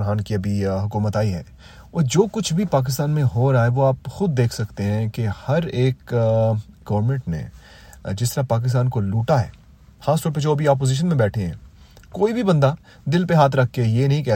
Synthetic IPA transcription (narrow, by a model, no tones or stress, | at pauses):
ɾɦaːnkiɐbʱiɦʊkuːmət̪aːiɦɛ̰ː | ɔːɾd͡ʒoːkʊt͡ʃʰbʱipaːk̬ɪs̬t̪aːnmẽɦoːɾaːeʋoaːpxʊd̪̚ːeːkʰsɐkt̪eɦɛ̃kehɐɾeːk | ɡɐʋəɾmẽɳʈnḛ | d͡ʒɪst̪ɐɾapaːk̬ɪs̬t̪aːnkoluːʈaɦɛ̰ː | xaːsʈɔːɾp̬ed͡ʒoːbʱiaːp̬oːziːʃ̬ənmẽbɛːʈʰẽɦɛ̰̃ː | koːibʱibɐ̃nd̪a | d̪ɪlpeɦaːt̪ʰɾɐkʰːejeːnɐɦĩkɛː